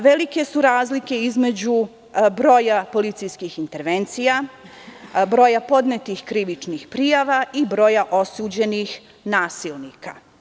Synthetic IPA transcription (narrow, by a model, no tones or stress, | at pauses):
ʋe̞like̞suɾaːzlike̞izme̞d͡ʑu | bɾo̞japo̞lit̪sijskixint̪e̞ɾʋe̞nt̪sija | bɾo̞japo̞d̪net̪ixkɾiʋit͡ʂnixpɾijaʋaʔibɾo̞jaʔo̞suːd͡ʑe̞nix | naːsilnika